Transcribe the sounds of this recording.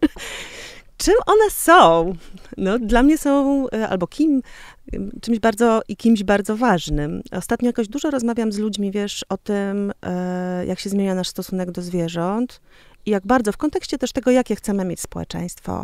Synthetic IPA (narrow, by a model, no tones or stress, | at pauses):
t͡ʂɘmʔɔnɛsɔ̃w̃nɔd̪lamɲɛsɔ̃w̃a̰lbɔkʲim | t͡ʂɘmʑbaɾd̪zɔikʲimʑbaɾd̪zɔvaʐnɘmɔst̪at̪ɲɔjakɔʑd̪uʐɔɾɔzmavʲjamzlud͡ʑmʲivʲjɛʂɔt̪ɘm | jakɕɛzmʲeɲanaʂst̪ɔsunɛɡd̪ɔzvʲjɛʐɔnt̪ | ijaɡbaɾd̪zɔfkɔnt̪ɛkɕt͡ɕɛt̪ɛʂt̪ɛɡɔjakʲɛxt̪sɛmɘmʲjet͡ɕʲspɔwɛ̰t͡ʂɛ̰j̃st̪fɔ̰